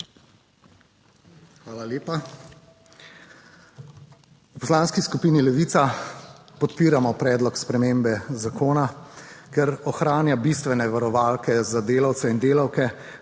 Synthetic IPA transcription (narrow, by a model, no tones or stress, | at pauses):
xʋaːlaleːpa | upɔslaːnskiskupiːnilɛʋit̪sapɔt̪piːɾamɔpɾɛːd̪lɔkspɾɛmeːmbɛzakoːnakɛɾɔxɾaːnjabist̪ʋɛnɛʋaɾɔʋaːlkɛzad̪eːlawt̪sɛind̪eːlawkɛ